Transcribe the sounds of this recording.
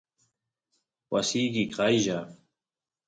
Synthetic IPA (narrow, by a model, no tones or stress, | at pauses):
wɐ̰siːɡikʰajʑa